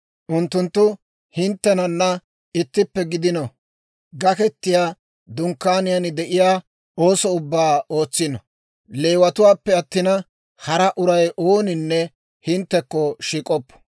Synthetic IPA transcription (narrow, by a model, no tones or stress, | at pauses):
ʔʊnt̪ːʊnt̪ːʊ | hɪnt̪ːɛnɐnːɐ | ɪt̪ːɪpːɛɡɪd̪ɪnɔ | ɡɐkɛt̪ːɪjaː | d̪ʊŋkːaːnɪjɐnɪd̪ɛʔɪjaː | o̞ːsɔʊbːaːoːt͡sːɪnɔ | le̞ːwɐt̪ʊwaːpːɛɐt̪ːɪnɐ | hɐɾɐʔʊɾɐjʔo̞ːnɪnːɛ | hɪnt̪ːɛkːɔʃiːkʼɔpːɔ̥